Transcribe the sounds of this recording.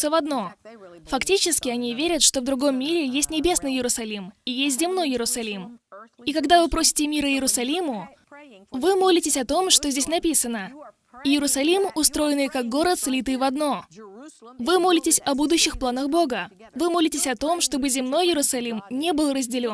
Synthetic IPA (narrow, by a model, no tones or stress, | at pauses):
səvɐd̪no̞fɐktʲit͡ɕɪskʲɪɐnʲivʲeɾʲət̪ʂt̪o̞vd̪ɾʊɡo̞mːʲiɾʲɪjesʲtʲnʲɪbʲe̞snɨjɪɾʊsɐlʲimijesʲtʲzʲɪmno̞jɪɾʊsɐlʲimikɐɡd̪avɨpɾo̞sʲɪ̥tʲɪmʲiɾəɪɾʊsɐlʲimʊ | vɨmo̞lʲɪtʲɪsʲɐt̪o̞mʂt̪ozʲdʲesʲnɐpʲisənə | jɪɾʊsɐlʲimʊst̪ɾo̞jɪnɨjkak̚ɡo̞ɾət̪slʲit̪ɨjvɐd̪no̞ | vɨmo̞lʲɪtʲɪsʲɐbud̪ʊɕːɪxplˠanəxbo̞ɡə | vɨmo̞lʲɪtʲɪsʲɐt̪o̞mʂt̪o̞bɨzʲɪmno̞jːɪɾʊsɐlʲimnʲebɨlˠrəzʲdʲɪlʲo